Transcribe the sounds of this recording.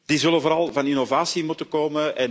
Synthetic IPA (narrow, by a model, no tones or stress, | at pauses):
d̥izɵlənvoːɾɑlˠvɑninovaːsimutəkoːməʔɛn